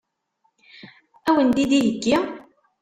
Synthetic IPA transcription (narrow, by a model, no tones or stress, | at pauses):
æwənd̪id̪ijəɡːi